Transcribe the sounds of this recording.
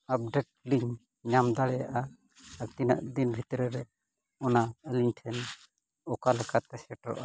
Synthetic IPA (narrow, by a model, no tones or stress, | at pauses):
ap̚ɖeʈ̚liɲ | ɲamd̪aɽɛjaʔa | at̪inə̰ʔd̪inbʱit̪ɾɛɾɛ | ɔnaəliɲʈʰɛn | ɔkalɛkat̪ɛsɛʈɾɔ̰ʔa